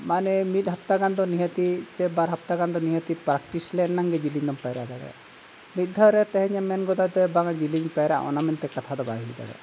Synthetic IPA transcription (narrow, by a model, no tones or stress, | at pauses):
manɛmit̪̚ˀɦap̚t̪aɡand̪ɔniɦət̪id͡ʒɛbaɾɦap̚t̪aɡand̪ɔniɦət̪ipɾak̚ʈislɛnːaŋɡɛd͡ʒiliɲd̪ɔmpajɾʔad̪aɡɛ̰ | mit̪̚ˀd̪ʱɔɾɛt̪ɛɦɛɲɛmɛnɡɔd̪ad̪ɛbaŋad͡ʒiliŋpajɾɛʔa̰ʔɔ̰namɛnt̪ɛkat̪ʰad̪ɔba̰ɦilid̪a̰ɽɛ̰